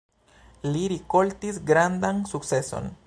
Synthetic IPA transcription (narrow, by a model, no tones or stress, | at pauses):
liɾiko̞lt̪isɡɾand̪ansuk̚t͡se̞so̞̰n